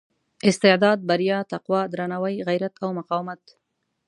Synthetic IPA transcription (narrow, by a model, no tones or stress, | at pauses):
ɪst̪ɪʕd̪ɑd̪̚baɾjɑt̪aqwɑd̪ɾanawajɣajɾat̪ʰawmʊqɑwɪmat̪